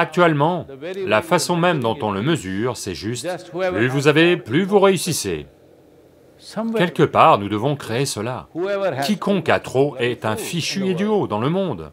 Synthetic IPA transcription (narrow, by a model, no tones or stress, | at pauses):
ak̚t̪ɥɛlmɑ̃lafasɔ̃mɛmd̪ɔ̃t̪ɔ̃ləməzyːʁsɛʒyst̪pyvuzaveplyvuʁeysisḛ | kʲɛlkəpaːʁnud̪əvɔ̃kχeesəla̰kʲikʰɔ̃kat̪χoɛt̪ɛ̃fiʃyed̪yod̪ɑ̃ləmɔ̃d̪